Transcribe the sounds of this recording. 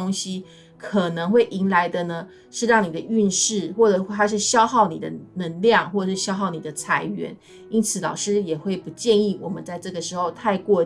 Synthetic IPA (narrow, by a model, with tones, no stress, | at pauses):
o˥ŋɕi˦ | kʰɤ˨˩nɤ˧˦ŋxwe˥˩ɪʔi˧˥ŋla˧˥ɪd̪ə˧nə˧ | ʂɻ̩˥˧ɻɑ˥˩ŋni˨˩d̪ə˦y˥˧nʂɻ̩˥˩xwɔ˥˩ʈ͡ʂɤ˨˩a˥ʂ̬ɻ̩˥˩ɕjɑ˥ʊxɑ˥˩ʊnḭ˨˩d̪ə̰˦nə˧˥ŋljɑ˥˨ŋxwɔ˥˩˨ʂɻ̩˥˩ɕjɑ˥ʊxɑ˥˩ʊni˨˩d̪ə˦t͡sʰa˧˥ɪɥɛ̰˧˥n | i˥nt͡sʰɹ̩˨˩˦lɑ̰˨˩ʊʂɻ̩˥jɛ˨˩xwe˥˩ɪpu˧˥t͡ɕjɛ˥˧ni˥˩wɔ˨˩mə˦nt͡sa˥˧ɪʈ͡ʂɤ˥˩ɡə˩ʂɻ̩˧˥xo˥˧ʊt̪ʰa˥˧ɪkwɔ˥˧